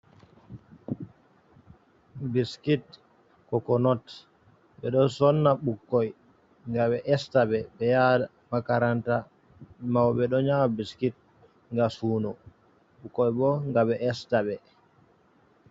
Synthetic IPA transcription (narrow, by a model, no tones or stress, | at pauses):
biskit | kɔkɔnɔt | ɓɛɗɔsɔnːaɓukːɔj | ŋɡaɓɛʔɛstaɓɛɓɛjada | makaɾanta | mawɓɛɗɔɲamabiskit̚ | ŋɡasuːnɔ | ɓukːɔjbɔŋɡaɓɛʔɛstaɓɛ